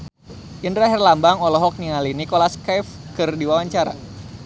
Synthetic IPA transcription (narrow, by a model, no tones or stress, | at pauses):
ʔindɾaɦɛrlambaŋɔlɔɦɔk̚niŋalinikolaskɛfkɨrdiwawaɲt͡ʃaɾa̰